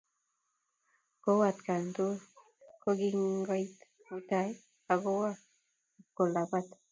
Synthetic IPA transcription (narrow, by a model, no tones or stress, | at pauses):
kowat̪kant̪u | koɡiŋɡajt̪ | ut̪aj | aɣowa | kolabat̪